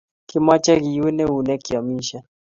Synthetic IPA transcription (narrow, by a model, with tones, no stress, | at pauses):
ki˦ma˦t͡ʃa˦ɣi˨ɛ˦nɛ˦u˨nɛ˦ki˨a˨mi˦ʃa˨